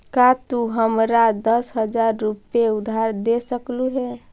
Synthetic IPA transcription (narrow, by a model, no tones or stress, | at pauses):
kat̪uɦəmɾad̪əsɦəd͡ʒaɾːupeud̪ʱaɾd̪esəkluɦɛ